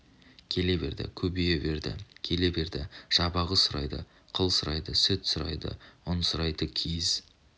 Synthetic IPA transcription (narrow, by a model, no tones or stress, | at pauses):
kʲʰe̞le̞be̞̰ɾd̪ɪ̰kʲʰɵbejebe̞ɾd̪ɪ̰kʲʰe̞le̞be̞ɾd̪ɪʒ̥ɑbɑʁəsʊɾɑjd̪ə̰ | qʰəlˠsʊɾɑjd̪əsɪt̪sʊɾɑ̰jd̪ə̰ʊnsʊɾɑjd̪əkʲʰiz̥